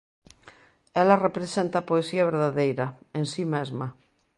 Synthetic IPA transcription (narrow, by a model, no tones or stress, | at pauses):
ɛlɐrepɾesent̪ɐpoesiɐβ̞eɾðaðejɾɐẽnsimezma